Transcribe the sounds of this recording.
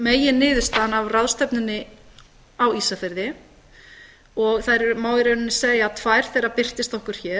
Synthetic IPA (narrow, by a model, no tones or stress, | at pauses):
meːjɪnɪːðʏst̪aːðnavraðst̪ɛpnʏnːɪ | awiːsafɪɾðɪ | ɔɣθajɾɛɾmaːwðɪɾœnɪnːɪseːjat̪ʰvajɾ̥θejɾapɪr̥t̪ɪst̪ɔhkʏɾ̥çɛː